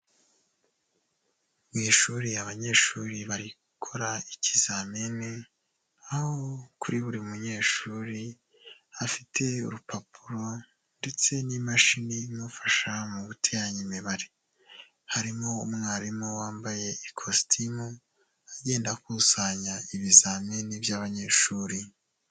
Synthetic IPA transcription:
mwiʃuɾiaβaɲe̞ːʃuːɾiβaɾi | kʰo̞ɾaicizamene | aho̞kuɾiβuɾiumuɲe̞ːʃuːɾi | afitʰe̞ṵɾupʰapʰuɾo̞ | nde̞t͡se̞nimaʃinimufḁʃamuβutʰeaɲimeβaɾi | haɾimo̞umŋaːɾimowaːmbaje̞ikʰostʰimu | aɟe̞ːndakusaɲaiβizamenibjaːβaɲe̞ːʃuːɾi

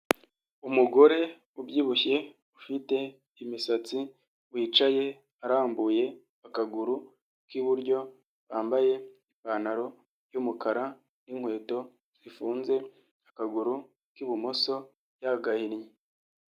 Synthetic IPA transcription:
umuɡo̞ɾe̞ | ubjiːβuçe̞ | ufite̞ | imisat͡si | βwiːt͡ʃaje̞ | aɾaːmbuje̞ | akaɡuɾu | kiβuɾɟo̞ | βaːmbaje̞ipanaɾo̞ | jumukaɾa | niŋ̥hwe̞ːto̞ | z̥ifuːnze̞ | akaɡuɾu | kiβumoso̞ | jaɡahiɾje

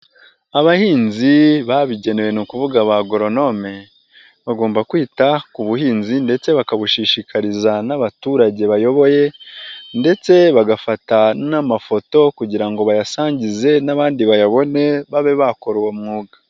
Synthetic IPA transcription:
aβahiːnziβaβiɟe̞newe̞nukuvuɡaβaɡoɾo̞no̞me̞ | βaɡo̞ːmbakwiːtakuβuɦiːnzinde̞t͡se̞βakaβuʃiʃikʰaɾizanaβatuːɾaɟe̞βajo̞βo̞je̞nde̞t͡se̞βaɡafatanamafo̞to̞kuɟiɾaŋɡo̞βajasaːɲɟize̞naβaːndiβajaβo̞ne̞βaβe̞βako̞ɾwomŋuːɡḁ

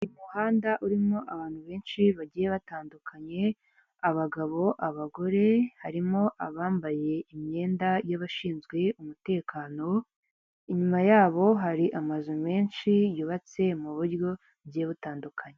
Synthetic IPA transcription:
imuhaːndaʔuɾimo̞ʔaβaːnhuβe̞ːnʃiβaɟijeβataːndukʰaɲe̞ | aβaɡaβo̞ʔaβaɡo̞ɾe̞haɾimo̞ʔaβaːmbaje̞imɲe̞ːndajaβaʃiːnzɡwe̞umute̞ːkʰaːno̞ | iɲumajaːβo̞ɦaɾiʔamazume̞ːnʃijuβat͡se̞muβuɾjo̞ | ɟijeβutaːndukʰaɲe

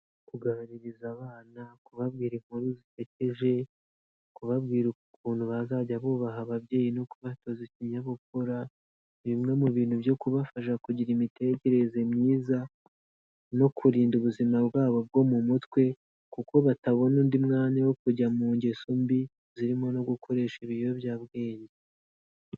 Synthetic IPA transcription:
kuɡaɾiɾizaβaːnakuβaβɡiːɾim̥huɾuzite̞ce̞ʒe̞ | kuβaβɡiːɾukukuːn̥uβazaɟaβuβaɦaβabɟe̞ːjino̞kuβatoziciɲaβok̚oɾa | βimŋe̞muβiːnhubjo̞kuβafaʃ̬akuɟiɾimite̞ce̞ɾe̞ze̞mɲiːza | no̞kʰuɾiːnduβuzimabɡaːβo̞b̚ɡo̞mumutwe̞ | kuko̞βataβo̞nuːndimŋaːnawo̞kuɟamuːɲɟesombi | ziɾimo̞no̞ɡukʰo̞ɾe̞ːʃiβioβjaːbɡeːɲe

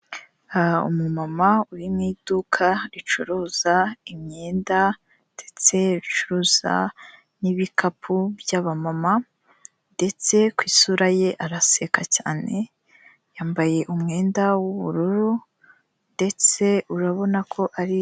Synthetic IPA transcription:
aṵmumamauɾimŋid̥ukʰaɾit͡ʃuɾoz̥aimɲe̞ːnda | d̥e̞t͡se̞βit͡ʃuɾoːza̰ | niβikapʰubjaβamama | nde̞t͡se̞kwisuɾaje̞ʔaɾase̞kacaːne̞ | jaːmbaje̞ʔumŋe̞ːndawuβṵɾuɾu | nde̞t͡se̞ʔuɾaβo̞nakʰo̞ʔaɾi

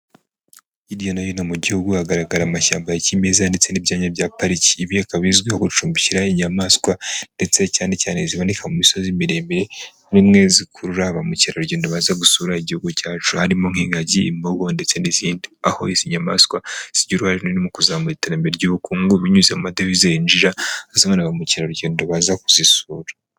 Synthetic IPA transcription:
idjonajonamuɟihuɡuaɡaɾaɡaɾamaʃa̰ːmbajacimezande̞t͡se̞nibɟaːɲabjaːpaɾici̥ːβiakaβizɡihoɡut͡ʃuːmbiciɾaiɲamaskwande̞t͡se̞caːne̞caːne̞ziβanikʰamumiso̞zimiɾe̞miɾe̞ | nimŋe̞zikʰuɾuɾaβamuciɾauɟeːndoβazaɡusuːɾaiɟihuɡucaːt͡ʃuhaɾimoŋhiːŋɡaɟḭːmboɡondet͡se̞niziːndiaho̞̰iziɲama̰skwasiɟuɾuhaɾenonimukuzaːmuɾiteɾambieɾɟuːβukuːŋɡuβiɲuzemadeβizejind͡ʒiɾaazimonaβamuciɾauɾɟeːndoβazakuzisuːɾḁ

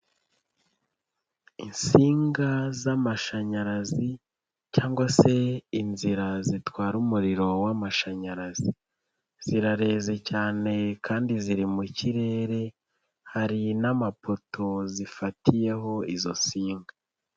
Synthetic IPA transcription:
insiːŋɡazamaʃaɲaɾazi | caːŋɡwase̞inziɾazitwaːɾumuɾiɾo̞wamaʃaɲaɾazi | z̥iɾaɾe̞ːze̞caːne̞kaːndiziɾimuciɾe̞ːɾe̞ | haɾinamapo̞tʰo̞zifatije̞ɦo̞izo̞̰nsiːŋɡa

